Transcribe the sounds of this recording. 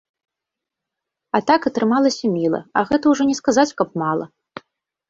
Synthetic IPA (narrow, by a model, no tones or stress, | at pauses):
ɐt̪akɐt̪ɾɨmalˠɐsʲɐmʲilˠɐ̰ɐ̰ɣɛt̪ɐwʐɔnʲɛskazat͡sʲkɐp̚malˠɐ̰